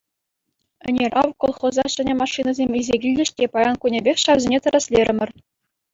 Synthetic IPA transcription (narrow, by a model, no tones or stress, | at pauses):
ɘ̆nʲerʲɑʋkolˠχŏzɑɕɘ̆nʲemɑʂːinɑzʲemʲizʲeɡʲilʲdʲɘ̆ɕtʲepɑjɑnkunʲebʲexʲɕɑʋzʲenʲet̪ɤ̆ɾɑsʲlʲeɾʲɘ̆mʲɘ̆r